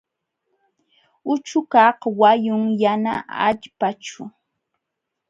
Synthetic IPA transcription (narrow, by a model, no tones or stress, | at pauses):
ʊt͡ʃʊkɑhwajʊŋjana̰a̰ʎpat͡ʃʊ